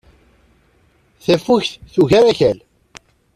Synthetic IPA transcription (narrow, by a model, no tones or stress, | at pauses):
θæfːuçθθuʝæɾæçæl